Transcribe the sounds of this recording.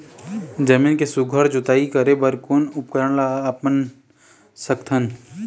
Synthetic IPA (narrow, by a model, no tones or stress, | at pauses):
d͡ʒɐmiːnkesuɡʱəɾd͡ʒʊt̪aːikɐɾebɐɾkonʊpkəɾənlaːpmən | səkt̪ʰən